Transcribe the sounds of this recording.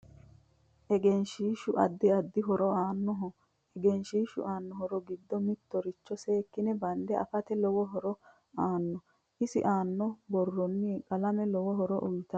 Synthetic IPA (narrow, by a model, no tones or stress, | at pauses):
ʔɛɡɛnʃiːʃʊʔɐd̪ːɪɐd̪ːɪɦɔɾɔaːnːɔɦɔ | ɛɡɛnʃiːʃʊ̰ʔaːnːɔɦɔɾɔɡɪd̪ːɔmɪt̪ːɔɾɪt͡ʃːɔse̞ːkːɪnɛbɐnd̪ɛɐ̰fɐt̪ɛlɔwɔɦɔɾɔ | aːnːɔ | ʔɪsɪ̰ʔaːnːɔbɔrːɔnːikʼɐlɐmɛlɔwɔɦɔɾɔʔɔjt̪ɐ